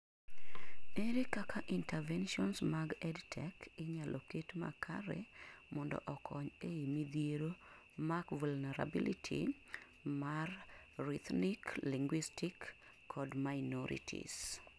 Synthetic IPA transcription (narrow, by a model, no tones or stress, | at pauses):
eɾikakʰaʔintɛvɛnʃɔnsmaɡɛdtʰɛkɪɲalʔɔketma̰kʰa̰ɾḛmɔndɔ̰ʔɔkʰɔɲeimid̪ieɾo | makvulnɛɾa̰bilitʰḭ | mar | rit̪nikliŋɡwistʰikː | ɔdmaɪnɔɾḭtʰḭs